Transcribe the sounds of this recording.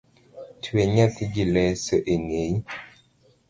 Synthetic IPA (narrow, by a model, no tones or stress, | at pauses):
tʰweɲatd͡ʒilɛsɔʔeŋei